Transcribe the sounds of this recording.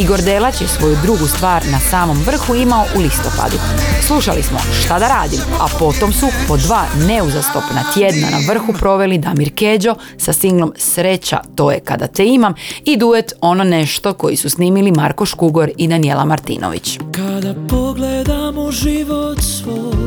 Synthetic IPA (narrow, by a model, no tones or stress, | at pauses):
iɡo̞ɾd̪elat͡ɕjesʋo̞jud̪ɾuɡust̪ʋaːɾnasaːmo̞mʋr̩xuimaoʔulist̪o̞pa̰d̪u | slˠuʃalismo̞̰ʃt̪ad̪aɾaːd̪ima̰po̞t̪o̞msupo̞d̪ʋaːne̞uzast̪o̞pnat̪je̞d̪na̰na̰ʋr̩xupɾo̞ʋe̞lid̪amiɾked͡ʑo̞ | sasiŋɡlo̞msɾe̞t͡ɕa̰t̪o̞ːje̞ka̰d̪a̰t̪eimamid̪ujet̪o̞no̞ne̞ʃt̪o̞ko̞jisusniːmilimaɾkoʃkuɡo̞ɾid̪anijelamaɾt̪ḭːnʔo̰ʋḭt͡ɕkad̪apoɡled̪amoʒiʋot̪sʋo